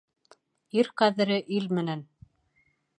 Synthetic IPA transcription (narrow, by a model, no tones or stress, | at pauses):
iɾqæðɘ̆ɾɘʔilmɘ̆næn